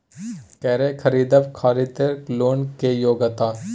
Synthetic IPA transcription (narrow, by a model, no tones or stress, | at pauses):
kɛːɾekʰɐɾiːd̪əʋkʰaːɾit̪əɾkloːnkejoːɡət̪aː